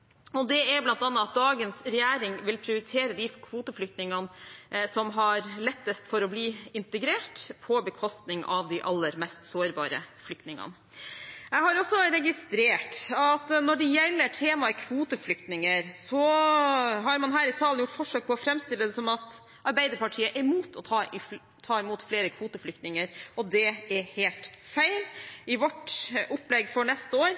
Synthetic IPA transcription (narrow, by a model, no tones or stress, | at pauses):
ɔd̪ɛæɾblɑnt̪ɑːnːɑɑt̪̚d̪ɑːɡənsɾɛjæːɾɪŋʋɪlpʰɾɪʊɾɪt̪ʰeːɾəd̪ɪkʰʋuːt̪əflʏk̚t̪nɪŋɑnsɔmɦɑɾlɛt̪ːəst̪fɔɾɔbliːɪnt̪əɡɾeːʈpʰɔbəkʰɔst̪nɪŋʔɑ̰ʋd̪ɪʔɑlːəɾmɛst̪soːɾbɑ̰ːɾə̰flʏk̚t̪nɪŋɑ̰n | jɛhɑɾɔsːɔɾɛɡɪst̪ɾeːʈɑt̪nɔɖɛjɛlːəʈʰeːmɑkʰʋuːt̪əflʏkt̪nɪŋəɾsɔ | ɦɑɾmɑnɦæːɾɪsɑːlnjʊʈːfɔʂøːk̚pʰɔɔfɾɛmst̪ɪlːəd̪ɛsɔmɑt̪ | ɑɾbæɪd̪əɾpɑʈʰiːəʔɛɾmuːt̪ʰɔt̪ʰɑːɪ | t̪ʰɑːɪmuːt̪fleːɾəkʰʋuːt̪əflʏkt̪nɪŋəɾɔd̪ɛɛɾhelt̪fæɪlɪʋɔʈʔɔplɛɡfɔɳɛst̪əoːɾ